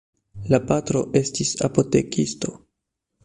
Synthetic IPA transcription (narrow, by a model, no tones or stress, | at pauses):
lapatɾo̞ʔe̞stisa̰po̞te̞kisto̞